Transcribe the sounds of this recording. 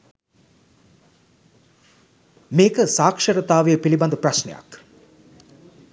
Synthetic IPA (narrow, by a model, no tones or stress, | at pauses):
meːkəsaːkʂəɾɐt̪aːʋejːpiliband̪uprasnḛja̰k